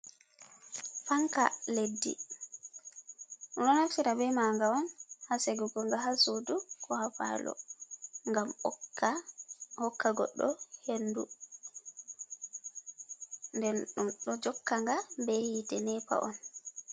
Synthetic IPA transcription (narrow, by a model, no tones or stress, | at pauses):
faŋka̰ledːḭ | unɔnaftiɾabɛmaŋɡaɔnhaseɡuɡɔŋɡaɦasodukʰɔhafa̰lɔ̰ŋɡam | hɔkːaɡɔ̰ɗːɔhendu | ndɛnɗumɗɔd͡ʒɔkːaŋɡabɛhitɛnɛpa̰ʔɔn